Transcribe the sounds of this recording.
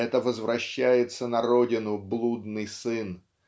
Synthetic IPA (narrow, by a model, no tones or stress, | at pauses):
ɛt̪əvəzvɾɐɕːæjɪt̪sənɐɾo̞dʲɪnʊblˠud̪nɨjsɨn